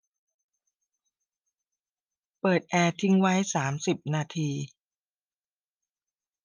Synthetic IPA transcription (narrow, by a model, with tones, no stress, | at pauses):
pɤː˨˩t̪̚ʔɛː˧t̪ʰi˦˥ŋwa˦˥jsaː˩˦msi˨˩p̚naː˧t̪ʰiː˧